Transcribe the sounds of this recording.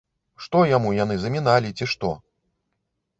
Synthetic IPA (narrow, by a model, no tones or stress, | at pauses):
ʂt̪ɔjamujanɨzɐmʲin̪alʲit͡sʲiʂt̪ɔ